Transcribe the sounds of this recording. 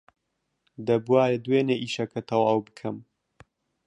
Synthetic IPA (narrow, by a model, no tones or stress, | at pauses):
d̪ɐbwaːɾed̪weːneːʔiːʃɐkʰɐt̪ʰɐwɐwbɨ̥kʰɐm